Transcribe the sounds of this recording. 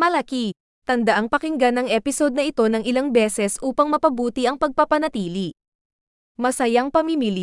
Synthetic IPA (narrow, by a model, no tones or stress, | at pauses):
mɐlɐki | t̪ɐnd̪ɐʔaŋpɐkɪŋɡanɐŋʔɛpɪso̞d̪̚nɐʔɪt̪o̞nɐŋɪlaŋbɛːsɛsʔuːpɐŋmɐpɐbuːt̪iʔɐŋpɐɡ̚pɐpɐnɐt̪iːli | mɐsɐjaŋpɐmimili